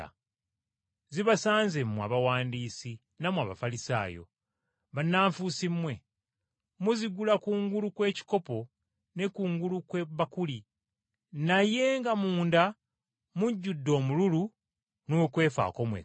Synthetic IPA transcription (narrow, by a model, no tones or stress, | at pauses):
a̰ | ziβasaːnzemːua̰βawaːndiːsi | namwaβafalisa̰ːjo̞̰ | βanːaːɱfusimːwe̞ | muziɡulakuːŋɡulukwe̞ːci̥ko̞po̞ | ne̞kuːŋɡulukweβakuli | naje̞ŋɡamuːnda | muɟːudːo̞ːmululu | noːkwe̞ːfa̰ːko̞mwḛ